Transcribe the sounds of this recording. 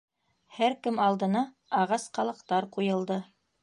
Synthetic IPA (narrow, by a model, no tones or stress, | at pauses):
hæɾkɘmɑlˠd̪ɤ̆nɑ | ɑʁɑsqɑlˠɤ̆qt̪ɑɾqujɤ̆lˠd̪ɤ